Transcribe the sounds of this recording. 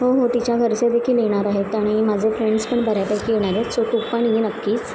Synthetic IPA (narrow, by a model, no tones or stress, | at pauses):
ɦoɦot̪it͡ɕjaɡʱəɾt͡ɕed̪ekʰiːleɽ̃aɾaɦet̪aɽ̃imad͡zʱefɾeɳɖspəɳbʱəɾjapajkʰijeɳ̃aɾesoʈupəɳjenəkːiːt͡s